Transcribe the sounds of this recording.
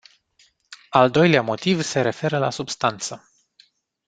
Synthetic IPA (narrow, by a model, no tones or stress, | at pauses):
ald̪o̞jleamo̞t̪ivse̞ɾe̞fe̞ɾəla̰subst̪ant̪sə